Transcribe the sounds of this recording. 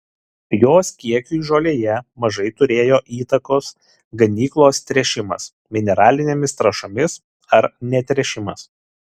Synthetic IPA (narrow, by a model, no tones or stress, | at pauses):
joːskʲiɛkʲuʒoːlʲeːjɛmɐʒɐɪt̪ʊɾʲeːjoːʔiːt̪ɐkoːs | ɡɐnʲiːklˠoːst̪ʲɾʲɛʃʲɪmɐ̰s | mʲɪnʲɛɾɑːlʲɪnʲeːmʲɪst̪ɾɐʃoːmʲɪs | ɐɾnʲɛt̪ʲɾʲɛʃʲɪmɐs